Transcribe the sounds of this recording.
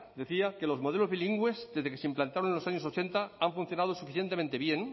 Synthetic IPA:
d̪e̞θiake̞lo̞zmo̞ð̞elo̞zβiliŋɡwe̞zd̪e̞zðekeseimplant̪aɾonenlosaɲosot͡ʃe̞nt̪aaɱfũn̟θjonað̞osufiθje̞nt̪ement̪e̞βjeŋ

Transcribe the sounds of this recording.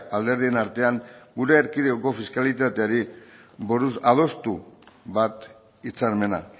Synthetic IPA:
ald̪e̞ɾðie̞naɾt̪e̞aŋɡuɾe̞ːɾkiðeoko̞fiskalit̪at̪e̞aɾiboɾusað̞o̞st̪uβat̪ | it͡saɾme̞na̰

